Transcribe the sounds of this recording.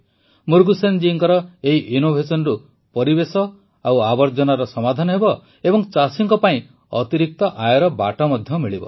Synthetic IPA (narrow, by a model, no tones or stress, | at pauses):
muɾɡusend͡ʒiːŋkɔɾɔeɦiʔinobʱesɔnɔɾu | pɔɾibesɔ | awabɔɾd͡ʒɔnaɾɔsɔmad̪ʱanɔɦebɔ | ebɔŋt͡ʃasiŋkɔpaĩ | ɔt̪iɾik̚t̪ɔʔajɔɾɔba̰ʈɔmɔd̪ʱjɔmiɭibɔ̰